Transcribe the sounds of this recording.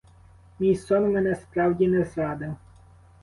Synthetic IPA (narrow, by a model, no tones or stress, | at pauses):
mʲijsɔnmɛnɛspɾɑwdʲinɛzɾɑd̪ɪw